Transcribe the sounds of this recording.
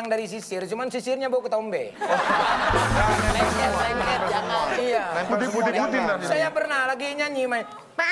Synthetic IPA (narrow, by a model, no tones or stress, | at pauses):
ŋdaɾis̬isɪrt͡ʃumansisɪrɲabaukət̪ɔmbe | aɛsaiŋkɛtd͡ʒaaiat̪uɪut̪isajapərnahlaɡiːɲaɲimaj | pa